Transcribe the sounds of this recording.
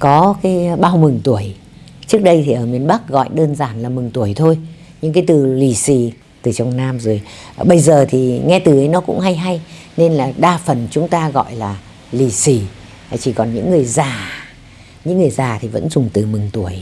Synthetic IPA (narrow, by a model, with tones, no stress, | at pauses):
kɔ˨˦kaː˨˦jɓaː˧wmɨ˨˩ŋt̪u˧˩əj | t͡ɕɨ˦˥ək̚ɗə˧jt̪ʰi˨˩ʔəː˧˩mi˨˩ənɓa˦˥k̚ɣɔ̰˧˨jɗəː˧nzaː˧˩nlaː˨˩mɨ˨˩ŋt̪u˧˩əjt̪ʰo˧j | ɲɨ˧ŋk̬aː˨˦jt̪ɨ˨˩li˨˩si˧˩ | t̪ɨ˨˩t͡ɕɔ˨˧˩wŋ͡mnaː˧mzo˨˩jɓə˧jzəː˨˩t̪ʰi˨˩ŋɛ˧t̪ɨ˨˩ʔə˨˦jnɔ˨˦kʊ̰˧˥ŋ͡mha˧jɦa˧j | ne˧nlaː˨˩ɗaː˧fə˨˩nt͡ɕʊ˨˦ŋ͡mt̪aː˧ɣɔ̰˧˨jlaː˨˩ | li˨˩si˧˩˨ | t͡ɕi˧˩kɔ˨˩nɲɨ̰˧˥ŋːɨ˨˩əjzaː˨˩ | ɲɨ̰˧˥ŋːɨ˨˩əjzaː˨˩t̪ʰi˨˩və̰˧˥nzʊ˨˩ŋ͡mt̪ɨ˨˩mɨ˨˩ŋt̪u˧˩əj